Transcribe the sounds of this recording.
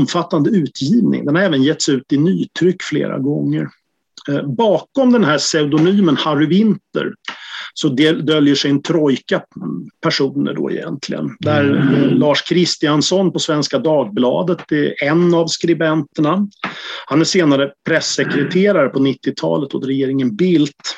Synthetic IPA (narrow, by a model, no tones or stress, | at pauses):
mfat̪ːand̪əʉ̟ːt̪ʰjiːvnɪ̰ŋd̪ɛnhaɾɛːvənjɛt̪ːsʉ̟ːt̪ɪnyːt̪ʰɾʏkːflḛːɾa̰ɡɔŋːə̰ɾ | bɑːkɔmd̪ɛnɦæsɛʉd̪ɔnyːmənhaɾʏɪnt̪ə̰ɾsɔd̪ɛd̪œljəʂɛjnt̪ʰɾɔjkapʰæʂuːnə̰ɖɔ̰ɪ̰jɛ̰nt̪ʰlɪ̰ɡə̰nd̪æɾlɑːʂkʰɾɪst̪ɪansɔnpɔsvɛnskad̪ɑːɡ̚blɑ̰ːd̪ət̪̚d̪ɛɛnːavskɾɪbɛnt̪əɳa | hanæʂeːnaɾəpʰɾɛsːɛkɾɛt̪ʰeːɾaɾəpʰɔnɪt̪ːɪt̪ʰɑ̰ːlət̪ɔt̪ɾɛjeːɾɪŋənbɪlt̪